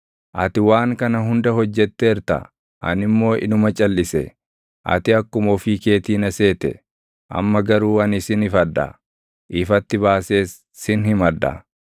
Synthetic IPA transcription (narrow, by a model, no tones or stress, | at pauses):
ʔɐt̪ɪwaːŋkɐnɐɦʊnd̪ɐɦɔd͡ʒːɛt̪ːɛɛɾt̪ɐ̰ | ʔɐ̰nɪmːo̞ːʔɪ̰nʊmɐt͡ʃʼɐlːɪsɛ̰ | ʔɐ̰t̪ɪɐkːʊmɔfiːke̞ːt̪iːnɐse̞ːt̪ɛ̰ | ʔɐ̰mːɐɡɐɾuːɐnɪsɪnɪfɐd̪ɐ̰ | ʔɪfɐt̪ːɪbaːse̞ːsː | ɪnhɪmɐd̪ɐ̰